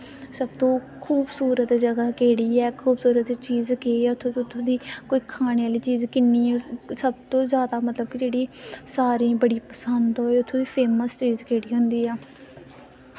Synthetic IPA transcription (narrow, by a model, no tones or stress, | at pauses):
səbt̪õː | kʰuːbsuːɾət̪d͡ʒəɡaːkeːɽiːɛːkʰuːbsuːɾət̪t͡ʃiːzkeːʊt̪ʰːõːʊt̪ʰːõːd̪iːkoːiːkʰaːɽ̃eːaːliːt͡ʃiːzkɪnːiːsəb̚t̪õːzjaːd̪aːmət̪ləb̚kid͡ʒeːɽiːsaːɾiːbəɽiːpəsənd̪ɦoːeːʊt̪ʰːõːd̪iːpʰeːməst͡ʃiːzkeːɽiːɦʊ̃nd̪iːɛː